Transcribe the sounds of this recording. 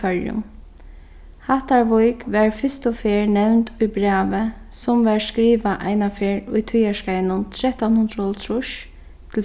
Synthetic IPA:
ɛɹjʊ̰m | haht̪aɹʋʊjkʋɛɹfɪst̪ʊfeːɹnɛwnt̪ʊjbɹaːʋə | sʊmʋɛɹskɾiːʋaʔa̰ɪnafeːɹʊjt̪ʰʊjaʃkaɪnʊnt̪ʰɾɛt̪anhʊnd̪ɾɔlt̪ʰɾʊʃ | t̪ʰɪl

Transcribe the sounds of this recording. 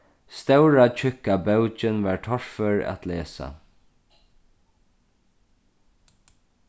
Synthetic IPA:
st̪œwɹat͡ʃʰʏkːabœwt͡ʃɪnʋaːɹt̪ʰɔɹfœɹa̰t̪ʰlɛːsa̰

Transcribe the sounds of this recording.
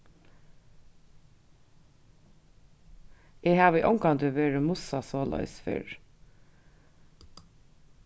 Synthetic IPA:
eːhɑːʋiːʔɔŋkɑnd̪əʋeːɹəmʊsɑsoːlœ̰ʏsfɪ̰ɹ

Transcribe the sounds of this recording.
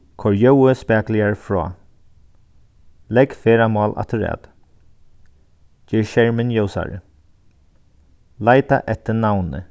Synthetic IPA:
kʰɔɹjœwəspæːklɪaɹfɹɔ̰ː | lɛɡfeːɾamɑːlʔa̰t̪ʰəɹɛ̰ːt̪ | d͡ʒɪːɹʃɛɹmɪnjowsa̰ɹ̰ | laɪt̪a̰ʔɛt̪ːənawnə̰

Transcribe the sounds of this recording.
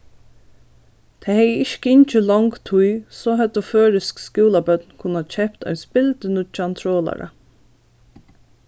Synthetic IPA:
t̪ʰɛːhɛjəɪʃkəɪɲt͡ʃəlɔŋkt̪ʰujsɔɦɛt̪ɔføːɾɪskskuːlabœt̪nkʰʊnːat͡ʃʰɛpt̪ɔ̰jspɪlt̪ənʊt͡ʃant̪ʰɾoːla̰ɾa̰

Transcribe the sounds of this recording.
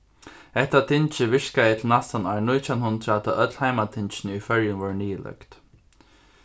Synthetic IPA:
ɛht̪at̪ʰɪnt͡ʃɪʋɪʂkaɪt̪lnast̪anaːɹnʊjt̪ʰjawnhʊnd̪ɾat̪ʰaʔœt̪l̥haɪmat̪ʰɪnt͡ʃɪnɪifœɹjʊnʋɔɹniːlœ̰kt̪

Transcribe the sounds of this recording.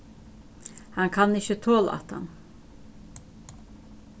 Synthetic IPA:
haŋkʰanɪçət̪ʰoːl̰a̰t̪ha̰n

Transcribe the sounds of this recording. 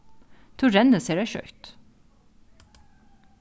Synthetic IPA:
t̪ʰʊɹɛnəseːɖæɪʃœ̰ʏt̪

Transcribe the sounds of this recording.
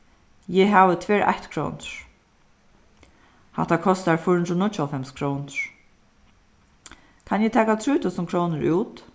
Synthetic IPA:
jɛɦavət̪ʰvɛːɹʔa̰ht̪kʰɾo̰ːnɹ̥ | ha̰ht̪akʰɔst̪aɹfʊɹhnɾɔnʊʊɔfɛmskʰɾoːwnt̪ɹ̥ | kʰanjɛt̪ʰɛːkat̪ʰɾuːt̪ʰʊsənkʰɾoːnəɹuːt̪

